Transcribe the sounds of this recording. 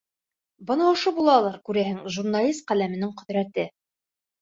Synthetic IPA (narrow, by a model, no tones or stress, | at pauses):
bɤ̆nɑŏʃobulˠɑlˠɑɾkʉɾæhɘŋʒurnalʲist̪̚qælæmɘ̆nɘŋqɵ̆ðɾæt̪ɘ